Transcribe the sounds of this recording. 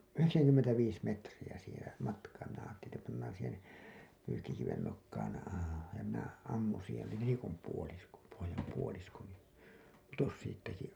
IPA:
yheksæŋkymːentæʋiːs metrij̆æ siːhẽː mɑtkɑː minæ ɑːtːelin etːæ pɑnːɑːn̞ siːhen̞ pyːkːikiʋen nokːɑːn jɑ minæ ɑmːũː siːhen ni nelikom puolisko pohojɑm puolisko niː putos siːtːæki

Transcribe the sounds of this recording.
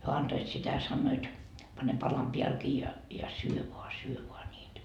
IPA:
hyø ɑntoit sitæ sɑnːoit pɑne pɑlɑm piælkiː jɑ jɑ syø ʋoɑ syø ʋoɑ nʲiːtæ

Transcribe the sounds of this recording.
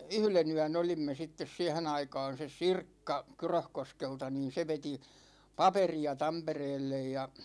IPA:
yhlen yæn olimːe sitːes siɛhen ɑikɑːn̞ ses̆ sirkːɑ kyrøhkoskeltɑ niːn̞ se ʋeti pɑperiɑ tɑmpereːlːej jɑ

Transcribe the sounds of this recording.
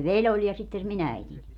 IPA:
ʋelʲ olʲ jɑ sitːen se min æitinʲ

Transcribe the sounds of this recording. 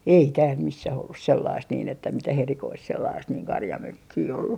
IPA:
ei tæːl misːæh olːus selːɑist niːn etːæ mitæh erikoist selːɑːst niːŋ kɑrjɑmøkːiː olːu

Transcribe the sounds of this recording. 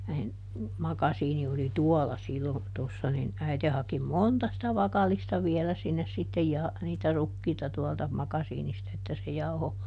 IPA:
nin mɑkɑsiːni oli tuɔlɑ silːon tosːɑ nin æite hɑki montɑ sitæ ʋɑkɑlˑistɑ ʋiɛlæ sinːes sitːej jɑ niːtæ rukːiːtɑ tuɔltɑ mɑkɑsiːnistɑ etːæ se jɑuho

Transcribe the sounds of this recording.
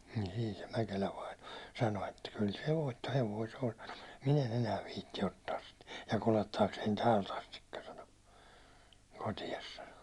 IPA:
niːn̞ siːn̞ se mækelæ ʋɑino sɑno etːæ kyl se ʋoitːoheʋoi se on sɑno m̥u̥t min en enæː ʋiːtːi otːɑːs sit jɑ kuletːɑːksein tæːlt ɑstikːɑ sɑno kotiɑs sɑno

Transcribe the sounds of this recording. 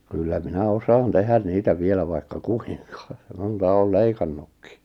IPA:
kylːæ minæ osɑːn tehæn niːtæ ʋielæ ʋɑikːɑ kui̥ŋkɑ̥ montɑ oːl leikɑnːukːi̥

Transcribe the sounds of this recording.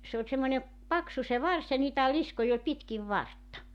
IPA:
se olʲ semːonʲe pɑksu se ʋɑrs jɑ niːtæ liskoj olʲ pitkiʋ ʋɑrtːɑ

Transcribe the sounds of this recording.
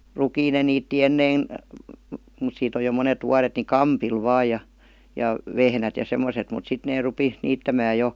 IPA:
rukiːn ne niːtːi enːein mut siːt oj jo monet ʋuɑret ni kɑmpil ʋɑːj jɑ jɑ ʋehnæt jɑ semˑoset mut sit neː rupi niːtːæmæː jo

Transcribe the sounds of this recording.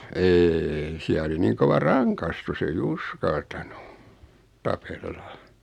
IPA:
eːi siæ oli niːŋ koʋɑ rɑŋkɑstus ei uskɑltɑnu tɑpelːɑ

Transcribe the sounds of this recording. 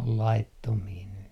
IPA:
ol lɑitːomiː ny

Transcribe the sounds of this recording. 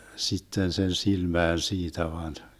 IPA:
sitːen sen silmæːn siːtæ ʋɑn

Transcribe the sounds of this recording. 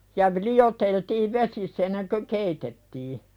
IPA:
jɑ ʋ lioteltiːʋ ʋesisː enːeŋkø keitetːiː

